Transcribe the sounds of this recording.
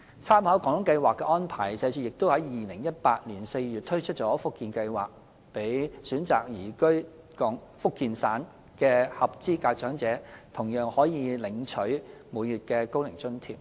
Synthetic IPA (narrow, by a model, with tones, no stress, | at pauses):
t͡sʰaː˥mhɐ˨˥wkɔː˨˧˥ŋlʊ˨˥ŋkɐ˧jwaː˨kːɛ˧ʔɔː˥npʰaː˨˩jsɛː˨˧t͡ʃyː˧jɪ˨k̚t̪o˥whɐ˨˥jjiː˨˩lɪ˨˩ŋjɐ˥t̚paː˧t̚liː˨˩nse˧jɥyː˨t̚t̪ʰɵ˥ɥt͡ʃʰɵ˥t̚t͡ʃɔː˨˥fʊ˥kːiː˨˧nkɐ˧jwa̰ː˨k̚ | pe˨˥jsyː˨˥nt͡sa̰ː˨k̚jiː˨˩kɵ˥ɥ | kɔː˨˥ŋfʊ˥kːiː˧nsaː˨˥n | kɛː˧hɐ˨p̚t͡siː˥kaː˧k̚t͡ʃœː˨˥ŋt͡sɛː˨˥t̪ʰʊ˨˩ŋjœː˨˩ŋhɔː˨˥jiː˨˧lɪ˨˥ŋt͡ʃʰɵ˨˥ɥmuː˨˧jjyː˨t̚kɛː˧ko˥wlɪ˨˩ŋt͡sɵ˥nt̪ʰḭː˨˩p̚